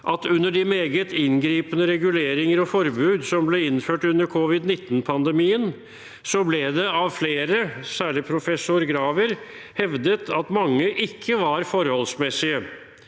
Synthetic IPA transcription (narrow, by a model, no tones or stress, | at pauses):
ʔɑt̪ʉnːəɖɪmeːɡət̪ɪnɡɾiːpənəɾɛɡʉleːɾɪŋəɾɔfɔɾbʉːd̪sɔmblɛɪnføːʈʉnːəɾkʰɔʋɪd̪nɪt̪ːn̩pʰɑnd̪əmiːən | sɔblɛd̪ɛɑʋfleːɾəsæːɭɪpʰɾʊfɛsʊɾɡɾɑːʋəɾ | hɛʋd̪ət̪ʰɑt̪mɑŋːəʔɪkʰːəʋɑɾfɔɾhɔlsmɛsɪə